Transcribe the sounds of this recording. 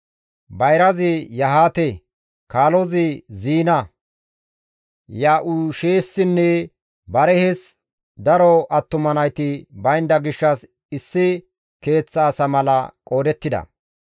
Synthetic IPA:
bɐjɾɐzɪjɐɦaːt̪ɛ | kaːlɔzɪziːnɐ | jaːʔuʃeːsːɪnːɛ | bɐɾɛhɛs | d̪ɐɾɔʔɐt̪ːʊmɐnɐjt̪ɪbɐjnd̪ɐɡɪʃːɐs | ɪsːɪ | ke̞ːt͡sːɐːsɐmɐlɐ̰kʼo̞ːd̪ɛt̪ːɪd̪ɐ̰

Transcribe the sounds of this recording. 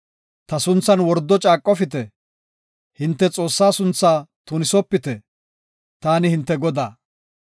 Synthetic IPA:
t̪ɐsʊnt͡sːɐnwɔɾd̪ːɔt͡ʃʼaːkʼːɔfɪt̪ɛ | hɪnt̪ːɛt͡sʼo̞ːsːaːsʊnt͡sːaːt̪ʊnɪsɔpːɪt̪ɛ | t̪aːnɪhɪnt̪ːɛɡɔd̪aː

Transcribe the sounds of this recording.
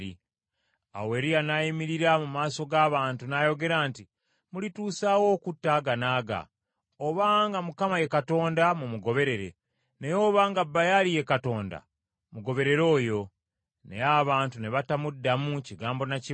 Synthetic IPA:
ḭ | a̰we̞ɾijanajimiɾiɾamumaːso̞ɡaːβaːntunajo̞ɡe̞ɾaːnti | mulituːsaːwo̞ːkutːaːɡanaːɡa̰ | oβaŋɡamukamaje̞kato̞ːndamumuɡo̞βe̞ɾe̞ɾe̞̰ | ne̞jo̞ːβaːŋɡabːajalije̞kato̞ːnda̰ | muɡo̞βe̞ɾe̞ɾo̞ːjo̞ | nejaβaːntune̞βatamudːamuciɡaːmbo̞naci

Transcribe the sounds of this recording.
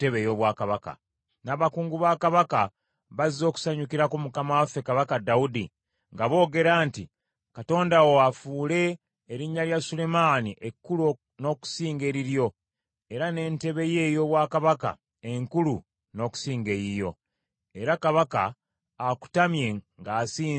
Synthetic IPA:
te̞βe̞jo̞βwaːkaβaka̰ | naːβakuːŋɡuβaːkaβaka | βazizo̞ːku̥saɲukiɾakumukamawafe̞kaβakadaudi | ŋɡaβo̞ːɡe̞ɾaːnti | kato̞ːndawoafuːle̞ː | ɾiɲːaljasule̞maːniʔekːulu | no̞ku̥siːŋɡe̞ɾiɾjo̞ | e̞ɾane̞ːnte̞βe̞je̞ːjo̞βwaːkaβaka̰ | e̞ŋkulu | no̞ːku̥siːŋɡe̞ɾijo̞ | e̞ɾakaβakaː | ku̥tamje̞ŋɡaːsiː

